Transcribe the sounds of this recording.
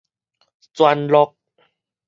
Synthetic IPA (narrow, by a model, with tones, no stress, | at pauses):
t͡swa˧nlɔ˧k̚